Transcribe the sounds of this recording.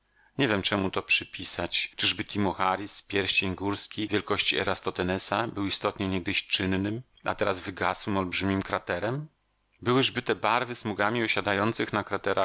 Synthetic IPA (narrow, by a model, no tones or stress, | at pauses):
ɲɛvʲjɛmt͡ʂɛmut̪ɔpʂɘpʲisat͡ɕt͡ʂɘʐbɘt̪ʰʲimɔxaɾʲispʲjɛɾɕt͡ɕeɲɡuɾskʲivʲjɛlkɔɕt͡ɕiɛ̰ɾast̪ɔt̪ɛnɛsabɘwist̪ɔt̪ɲɛɲɛɡ̚d̪ɘɕt͡ʂɘnːɘm | a̰t̪ɛɾazvɘɡaswɘmɔlbʐɘmʲimkɾat̪ɛɾɛm | bɘwɘʐbɘt̪ɛbaɾvɘsmuɡamʲiɔɕad̪ajɔnt̪sɘxnakɾat̪ɛɾax